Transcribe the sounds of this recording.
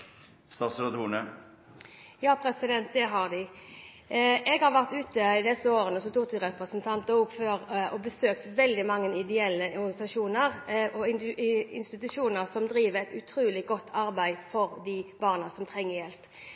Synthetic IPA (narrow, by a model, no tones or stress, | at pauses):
st̪ɑːt̪slɑt̪ʰuːnə | jɑːpʰɾɛsɪd̪ɛnt̪̚d̪ɛɦɑʁd̪ɪ | ʔɛɡhɑʁʋæʁt̪ʉːt̪əɪd̪ɛsəoːʁənəsɔt̪ʊʁt̪ɪʁɛpʁəsənt̪ʰɑnt̪əʊpføːʁɔbəsøːkt̪ʋɛld̪ɪmɑŋːənɪd̪ɛɛlːəɔʁɡɑnɪsɑʂuːnəʁʔɔ | ɪ̰nst̪ɪt̪ʉʂuːnəʁsɔmd̪ɾiːʋəʁɛt̪ʉt̪ʰɾuːlɪɡɔt̪ːʰɑʁbæɪfɔʁd̪ib̥ɑːʁnəsɔmt̪ʰʁɛŋːəʁjɛlp